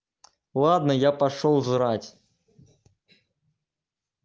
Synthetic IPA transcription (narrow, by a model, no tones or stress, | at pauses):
lˠad̪nɐjapaʂɔwzɾat͡sʲ